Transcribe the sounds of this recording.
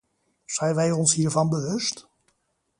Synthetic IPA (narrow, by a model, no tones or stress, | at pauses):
z̥ɛjnʋɛjɔnsɦiːɹvɑnbəʋɵst